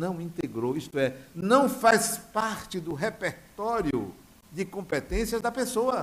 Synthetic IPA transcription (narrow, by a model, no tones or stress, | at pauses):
nɐ̃w̃ĩnt̪eɡɾowist̪ʊɛnɐ̃w̃fajspaɾt͡ʃɪd̪ʊɦepeɾt̪ɔɾjʊ̰ | d̪ɪkõpet̪ẽsiɐzd̪ɐpesoɐ